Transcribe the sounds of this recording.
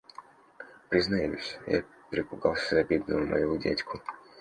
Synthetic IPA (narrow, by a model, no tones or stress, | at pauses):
pɾʲɪznɐjusʲja̰ | pʲɾʲɪpʊɡɑlˠsʲəɐbʲid̪nəjʊmʔɐ̰judʲḛtʲkʰʊ